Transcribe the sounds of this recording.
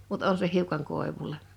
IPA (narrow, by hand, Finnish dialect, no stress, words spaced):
mut on se hiukɑŋ koˑeʋulˑe